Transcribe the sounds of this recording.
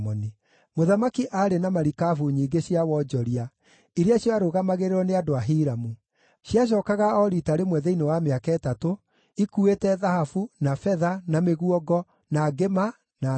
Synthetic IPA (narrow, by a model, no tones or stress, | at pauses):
mɔni | moðamakiʔaɾenamaɾikafuɲiːɡeɕiawɔd͡ʒɔɾia | iɾeaɕjɔaɾoɣamaɣeɾeɾɔneadoaɦiɾamu | ɕjaɕ̬ɔːkaɣaɔɾitaɾemwɛðeinewameakaɛtato | ikuetɛðahafunafɛðanameɣuɔɡɔ | naɡema | na